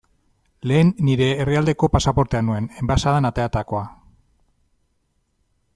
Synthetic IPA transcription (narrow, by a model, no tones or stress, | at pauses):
le̞ːnːiɾe̞ːriald̪e̞ko̞pasapo̞ɾt̪eanue̞ne̞mbasaðanat̪e̞at̪ako̞a